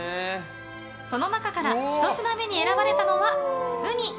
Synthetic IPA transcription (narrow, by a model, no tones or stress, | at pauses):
so̞no̞nakakaɾaçi̥t̪o̞ɕinamʲe̞ɲ̟ie̞ɾabaɾe̞t̪ano̞βaɡɯɲ̟i